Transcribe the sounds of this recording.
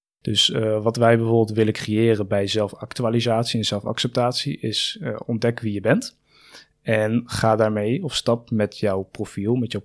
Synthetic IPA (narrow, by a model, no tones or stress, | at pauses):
d̥ɵsʋɑtʋɛjbəvʊːbɪlˠtʋɪləkrejɪːrənbɛjzɛlˠfɑktyaːlizaːtsiɛnzɛlˠfɑ̰ksɛp̚taːtsiʔɪsɔndɛkʋijəbɛnt | ɛnχaːdaːɹmejɔfstɑp̚mɛtjɔwprofilˠmɛtjɔw